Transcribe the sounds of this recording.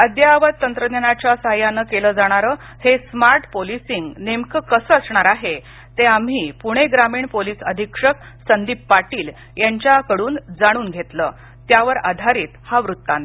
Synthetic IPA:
əd̪jaʋət̪̚t̪ːənt̪ɾəd̪janat͡ɕasajanəkeləːd͡zaɽ̃aɾəː | hesmaɾʈpolisiŋɡnemkəkəsəəsɳaɾaɦe | t̪eam̤ɦiːpuɽ̃eɡɾamiːɳpoliːsəd̪ʱikʂək̚ | sənd̪iːpːaʈiːl | jaɲt͡ɕjakəɽuːnd͡zaɽ̃uːnɡʱet̪ləː | t̪jaʋəɾa̰d̪ʱaɾiːt̪haʋɾut̪ːan

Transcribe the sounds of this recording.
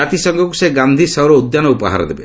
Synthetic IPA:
at̪isɔŋɡɔkuseɡand̪ʱisɔwɾɔud̪janɔupɔ̰ɦa̰ɾɔ̰d̪ebḛ

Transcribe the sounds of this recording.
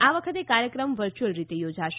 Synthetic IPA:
aʋəkʰət̪ekaɾjəkɾəmʋəɾt͡ʃəlɾit̪ejod͡ʒaʃ

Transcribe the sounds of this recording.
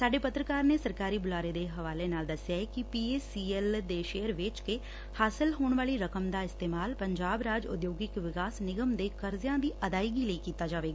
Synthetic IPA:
saːɖeːpət̪ɾəkaːɾneːsəɾkaːɾiːbʊlaːɾeːd̪eːɦəʋaːleːnaːld̪əsjaːɛkɪpiːeːsiːɛld̪eːʃeːəɾʋɪt͡ʃke | haːsɪlɦoːɳʋaːliːɾəkəmd̪aːɪst̪eːmaːlpəɲd͡ʒaːbɾaːd͡ʒʊ̰d̪joːɡɪkʋɪkaːsnɪɡəmd̪eːkəɾzjãːd̪iːʔəd̪aːiɡiːləikiːt̪aːd͡ʒaːʋeːɡaaː

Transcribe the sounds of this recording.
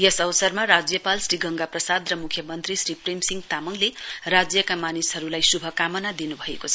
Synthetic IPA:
jesʌwʌsʌrmarad͡zjʌpalsriɡʌŋɡaprʌsad̪rʌmukʰjʌmʌnt̪risɾiprimsiŋɡt̪amʌŋlerad͡zjʌkamanisɦʌɾulajsubʱʌkamʌnad̪inubʱʌekot͡sʰʌ

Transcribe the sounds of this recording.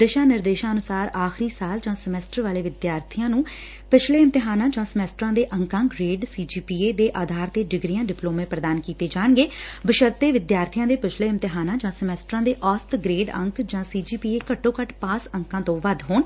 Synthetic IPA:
d̪əʃãːnɪɾd̪eːʃãːənʊsaːɾaːxɾiːsaːld͡ʒãːsəmɛːsʈəɾʋaːleːʋɪd̪jaːɾt̪ʰijãːnũː | pɪt͡ʃʰleːɪmt̪ɪɦaːnãːd͡ʒãːsəmɛːsʈɾãːd̪eːʔəŋkãːɡɾeːɖsiːd͡ʒiːpiːeːd̪eːʔaːd̪ʱaːɾt̪eːɖɪɡɾijãːɖɪploːmẽːpɾəd̪aːnkiːt̪eːd͡ʒaːɳɡeːbəʃəɾt̪eːʋɪd̪jaːɾt̪ʰijãːd̪eːpɪt͡ʃʰleːɪmt̪ɪɦaːnãːd͡ʒãːsəmɛːsʈɾãːd̪eːʔɔːst̪ɡɾeːɖə̰̃ŋkd͡ʒãːsiːd͡ʒiːpiːeːkəʈːõːkəʈpaːsəŋkãːt̪õːʋəd̪ʱɦoːn

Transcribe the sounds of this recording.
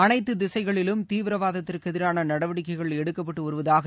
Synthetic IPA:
ɐnɐɪt̪ːɯd̪ɪsɐɪɣɐɭɪlɯmt̪iːʋɪɾɐʋaːðɐt̪ːɪrkɯɛðɪɾaːnɐnɐɽɐʋɐɽɪkːɐɪɣɐɭɛɽɯkːɐpːɐʈːɯɔɾɯʋɐðaːɣɐ

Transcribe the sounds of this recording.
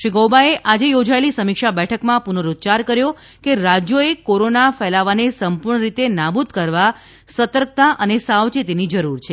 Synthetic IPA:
ʃiɡowbaeʔad͡ʒejod͡ʒaelisəmikʃabɛʈʰəkmãpunəɾot͡ʃaɾkəɾjo | keɾad͡ʒjoekoɾonafɛlaʋanesəmpuɾɳəɾit̪enabud̪kəɾʋa | sət̪əɾk̚t̪aʔənesaʋt͡ʃit̪enid͡ʒəɾuɾt͡ʃʰe

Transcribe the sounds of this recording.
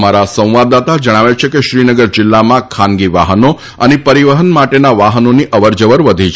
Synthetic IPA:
maɾasə̃w̃ʋad̪at̪ad͡ʒəɽ̃aʋet͡ʃʰekeʃɾinəɡəɾd͡ʒɪlːamãkʰanɡiʋaɦəno | ənepəɾiʋəɦənmaʈenaʋaɦənoniʔəʋəɾd͡ʒəʋəɾʋəd̪ʱit͡ʃʰ

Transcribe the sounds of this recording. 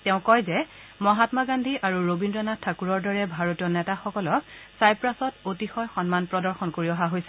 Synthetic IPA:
tɛʊ̃kɔjzɛmɔɦatmaɡandʱiʔaɹuɹobindɹɔnatʰːakuɹɔɹdɔɹɛbʱaɹotijɔnɛtaxɔkɔlɔksajpɹasɔtotixɔjxɔnmanpɹɔdɔɹxɔnkoɹiɔɦaɦojsɛ̥

